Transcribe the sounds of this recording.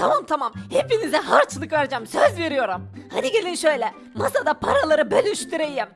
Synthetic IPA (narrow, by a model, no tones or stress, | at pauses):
t̪ʰamamt̪ʰamamhe̞pinizɛɦaɾt͡ʃʰlˠɯkvæɾd͡ʒæmsøzve̞ɾijo̞ɾumhad̪iɟe̞lʲinʃø̞jlʲɛ | masad̪apʰaɾalˠaɾɯbølʲyʃt̪ʰyɾejim